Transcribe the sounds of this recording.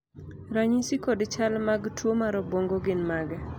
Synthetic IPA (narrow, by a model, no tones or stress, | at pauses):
ɾaɲisikodt͡ʃalmaɡtwomaɾɔboŋɡoɡɪnmaɡɛ